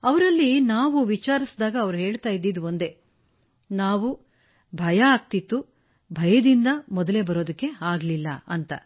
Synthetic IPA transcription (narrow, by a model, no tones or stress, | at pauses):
ɐʋɐɾɐlːinaːʋuʋit͡ʃaːɾisd̪aːɡɐːʋɐɾuɦe̞ːɭt̪aːjid̪ːid̪uond̪e̞ | naːʋu | bʱɐjɐaːɡ̚t̪it̪ːu | bʱɐjɐd̪ind̪ɐmɔd̪ɐle̞bɐɾo̞ːd̪ɐkːe̞aːɡlilːɐ̰ɐnt̪ɐ̰